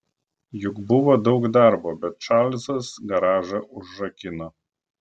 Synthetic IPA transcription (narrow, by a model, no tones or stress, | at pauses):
jʊkbʊʋoːd̪ɒʊkd̪ɑˑɾboːbʲɛt̪̚t͡ʃɑlʲsɐsɡɐɾɑːʒɐʔʊʒʒɐkʲɪno